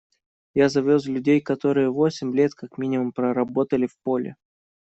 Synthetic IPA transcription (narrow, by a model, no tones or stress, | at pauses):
jazɐvʲo̞s̬lʲʉdʲejkɐt̪o̞ɾɨjəvo̞sʲɪmʲlʲet̪kakmʲinʲɪmʊmpɾəɾɐbo̞t̪əlʲɪfpo̞lʲɪ̰